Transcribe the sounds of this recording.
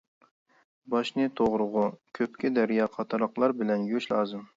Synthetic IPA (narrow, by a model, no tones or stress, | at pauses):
bɑʃnɨt̪ʰoʁɾʊʁʊkʲʰøp̚kʲɪd̪ɛɾijɑːqʰɑt̪ʰɑɾɑqlˠɑɾbɪlɛnjyʃlˠɑːzɨm